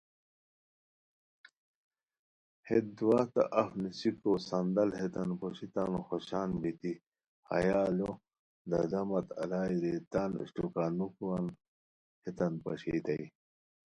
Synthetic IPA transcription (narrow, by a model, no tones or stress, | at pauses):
het̪̚d̪uwaːt̪a̰ʔɐfnisikosɐnd̪ɐlhet̪ɐnpoɕit̪anxoɕaːnbit̪i | hɐ̰jaːlo | d̪ɐd̪ɐmɐt̪ɐ̰laːiɾet̪aːnṵɕtukaːnukuan | het̪ɐnpɐ̰ɕḭːt̪ɐj